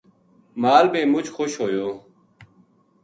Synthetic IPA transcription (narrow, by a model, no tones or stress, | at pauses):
maːlbeːmʊt͡ʃxoɕhɦoːjoː